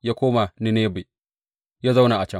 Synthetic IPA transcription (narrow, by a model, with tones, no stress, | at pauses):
jaː˦kʷoː˦ma˨nɪ˦neː˦be˨ | jaː˦za˦wna˨ʔa˨t͡ʃɐ˦